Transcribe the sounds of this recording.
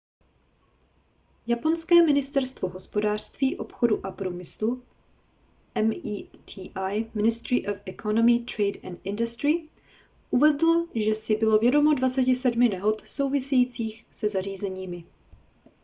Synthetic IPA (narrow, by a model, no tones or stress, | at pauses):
japo̞nskɛːmɪnɪst̪ɛɾst̪vo̞ɦo̞spo̞daːr̝̥st̪viːʔo̞pxo̞duʔapɾumɪslu | ʔɛmːt̪ʰiːʔajmɪnɪst̪ɾɪʔofɛkʰonomɪt̪ɾɛjdant̪ʔɪndʊst̪ɾɪ | ʔuvɛdloʒɛsɪbɪlo̞vjɛdomo̞dvat͡sɛcɪsɛdmɪnɛɦo̞t̪so̞wvɪsɛjiːt͡siːxsɛzar̝iːzɛɲiːmɪ